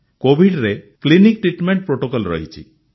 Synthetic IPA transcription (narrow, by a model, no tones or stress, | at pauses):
kobʱiɖɾeklinik̚ʈɾiʈmeɳʈ̚pɾoʈokɔlɾɔ̰ɦit͡ʃʰḭ